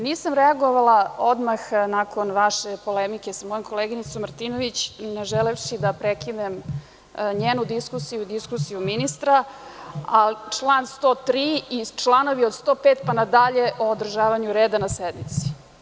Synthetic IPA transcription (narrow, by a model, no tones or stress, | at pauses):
niːsamɾɛaɡo̞ʋalˠao̞d̪maxnako̞nʋaʃepo̞lemike̞samoːjomko̞leːɡinit̪somɾt̪inoʋit͡ɕneʒɛlefʃid̪apɾekinem | ɲeːnud̪iskusijuid̪iskusijuminist̪ɾa | alt͡ʂlˠaːnst̪oːt̪ɾiːit͡ʃlˠano̞ʋiod̪st̪o̞ːpet̪panad̪aʎe̞ʔood̪r̩ʒaːʋaɲuɾe̞ːd̪anased̪nit̪si̥